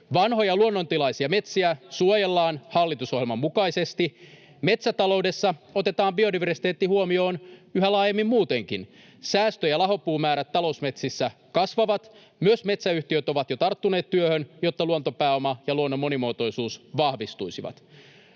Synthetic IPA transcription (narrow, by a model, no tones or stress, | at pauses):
ʋɑnɦojɑluonːo̞nt̪ilɑijsiɑme̞t̪siæsuojelːɑːnhɑlːit̪usoɦjelmɑmːukɑijse̞st̪i | me̞t̪sæt̪ɑlo̞wde̞sːɑot̪e̞t̪ɑːmbio̞diʋersi̥t̪eːt̪ːihuomio̞ːnyɦælɑːjemːimmuːt̪e̞ŋkḭn | sæːst̪øjɑlɑɦo̞pːuːmæːɾæt̪ːɑlo̞usme̞t̪sisːæ | kɑsʋɑʋɑt̪ | myøsme̞t̪sæyht̪iøt̪o̞ʋɑt̪jot̪ɑrt̪ːune̞ːt̪t̪ːyøhønjo̞t̪ːɑluo̞nt̪o̞pæːo̞mɑjɑluonːomːo̞nimoːt̪o̞jsuːsʋɑhʋist̪ujsiʋɑ̰t̪